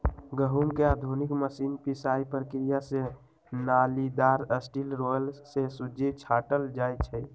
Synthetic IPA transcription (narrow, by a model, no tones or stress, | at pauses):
ɡəɦumkeaːd̪ʱunikməsinpisaipɾkɾijase | nalid̪aːɾəsʈilɾolsesud͡ʒet͡ʃʰaːʈəld͡ʒaːjtt͡ʃʰɛ